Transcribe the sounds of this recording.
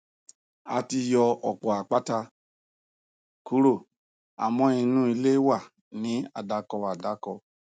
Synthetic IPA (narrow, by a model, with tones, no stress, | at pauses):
a˨˧ti˧jɔ˧ɔ˨k͡pɔ˨a˨k͡pa˦ta˧ | ku˦ɾo˦˨ | a̰˨mɔ̃˦ĩ˧nũ˦i˧le˦wa˦˨ | nĩ˨˦a˨da˧kɔ˧a˨da˨˦kɔ˧